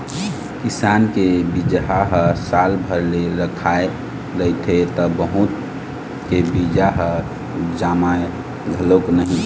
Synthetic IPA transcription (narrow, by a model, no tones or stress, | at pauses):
kisankebid͡ʒɦaɦəsalbʱəɾleɾəkʰae | ləjt̪ʰet̪ɔbəɦut̪ | kebid͡ʒaɦə | d͡ʒamae | ɡʱəloknəɦĩ